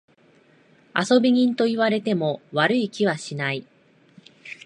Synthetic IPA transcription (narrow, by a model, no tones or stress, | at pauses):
a̰so̞bʲiɲ̟ĩnt̪o̞iβaɾe̞t̪e̞mo̞βaɾɯ̟ikʲiβaɕinai